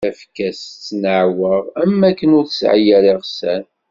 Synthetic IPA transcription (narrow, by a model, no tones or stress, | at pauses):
æfkæst͡sːnəʕwəʁæmːækːənʊɾθəsʕjæɾiʁsæn